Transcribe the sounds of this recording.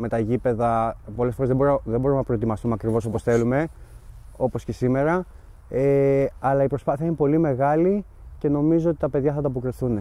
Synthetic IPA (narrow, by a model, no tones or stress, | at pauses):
me̞t̪ɐʝipe̞ðɐpo̞lesfo̞ɾezðebo̞ɾðebo̞ɾumnɐpɾo̞e̞t̪̬imɐst̪umeɐkɾivo̞so̞po̞sθe̞lume̞ | o̞po̞sce̞sime̞ɾɐ | eɐlɐipɾo̞spɐθiɐine̞po̞lime̞ɣɐli | ce̞no̞mizo̞ot̪i̥t̪ɐpe̞ðʝɐθɐt̪ɐːpokɾiθune